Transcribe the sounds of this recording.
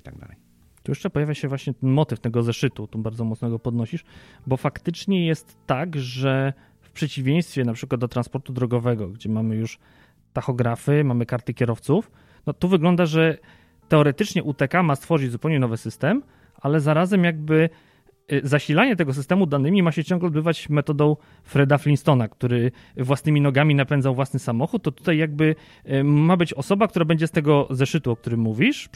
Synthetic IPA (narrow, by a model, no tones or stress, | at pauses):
it̪aɡ̚d̪a̰lɛj | t̪ujɛʂt͡ʂɛpɔjavʲjaɕɛvwaɕɲɛt̪ɛnmɔt̪ɘft̪ɛɡɔzɛʂɘt̪ut̪ubaɾd̪ɔmɔt̪snɔɡɔpɔd̪nɔɕiʂbɔfakt̪ɘt͡ʂɲɛjɛst̪ːaɡʐɛ | fpʂɛt͡ɕivʲjẽj̃st̪fʲjɛnapʂɘkwad̪̚d̪ɔt̪ɾanspɔɾt̪ud̪ɾɔɡɔvɛɡɔɡd͡ʑɛmamɘjuʂ | t̪axɔɡɾafɘmamɘkaɾt̪ɘkʲɛɾɔft̪suf | nɔt̪uvɘɡlɔnd̪aʐɛ | t̪ɛɔɾɛt̪ɘt͡ʂɲɛʔut̪ɛkamast̪fɔʐɘd͡ʑzupɛwɲɛnɔvɘsɘst̪ɛm | ʔalɛzaɾazɛmjaɡ̚bɘ | zaɕilaɲɛt̪ɛɡɔsɨst̪ɛmud̪anɘmʲimaɕɛt͡ɕɔ̃ŋɡlɛɔd̪̚bɘvat͡ɕmɛt̪ɔd̪ɔ̃w̃ | fɾɛd̪aflʲinst̪ɔnakt̪uɾɘ | vwasnɘmʲinɔɡamʲinapɛnd̪zawvwasnɘsamɔxut̪ːɔt̪u̥t̪ajːjaɡ̚bɘ | mːabɘt͡ɕɔsɔbak̚t̪uɾabɛɲd͡ʑɛst̪ɛɡɔzɛʂɘt̪uɔk̚t̪uɾɘmːuvʲiʂ